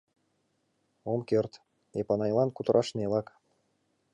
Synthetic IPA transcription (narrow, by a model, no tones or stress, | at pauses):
omkørt̪ | epɑnɑjlˠɑnkut̪ɤɾʔɑʃnelˠɑk